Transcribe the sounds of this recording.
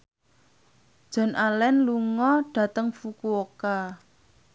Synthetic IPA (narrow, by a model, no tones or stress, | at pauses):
d̥ʒ̥ɔ̤nʔalɛnluŋɔɖ̥ä̤t̪əŋfukuoka